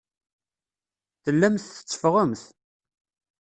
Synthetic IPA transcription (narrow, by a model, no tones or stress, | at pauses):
θəlːæmθθə̥t͡sːə̥fʁəmθ